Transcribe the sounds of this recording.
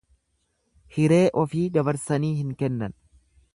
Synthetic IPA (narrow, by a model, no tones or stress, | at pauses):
hɪɾe̞ːʔɔfiːd̪ɐbɐɾsɐniːhɪŋkɛnːɐn